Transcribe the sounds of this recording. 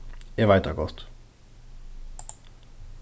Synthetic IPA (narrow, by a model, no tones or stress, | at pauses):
eɐvaɪtɐɡɔst